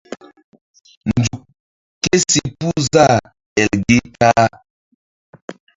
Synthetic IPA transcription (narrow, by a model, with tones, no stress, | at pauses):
n˨d͡zu˨k | ke˦si˨pu˦za˦˨ | ɛ˨lɡe˦ka˦